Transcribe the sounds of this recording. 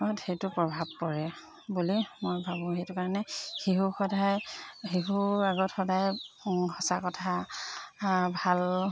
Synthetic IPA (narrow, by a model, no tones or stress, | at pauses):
ɔtxejtʊpɹɔbʱab̚kɔɹɛ | bulimojbʱabʊ̃xejtʊkaɹɔnɛxiɦuxɔdajxiɦuaɡɔtxɔdajhɔsakɔtʰa | bʱal